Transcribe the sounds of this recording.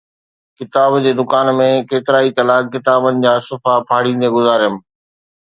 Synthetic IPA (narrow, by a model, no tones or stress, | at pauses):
kɪt̪aːbd͡ʑeːd̪ʊkaːnmẽkeːt̪ɪɾaːit̪ɐlaːkːɪt̪aːbənɪ̆d͡ʑaːsʊfapʰaːɽĩːnd̪eɡʊzaːɾjəm